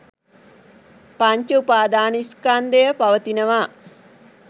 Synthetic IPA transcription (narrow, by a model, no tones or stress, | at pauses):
paɲt͡ʃəupaːd̪aːniskand̪ejəpaʋət̪inəʋa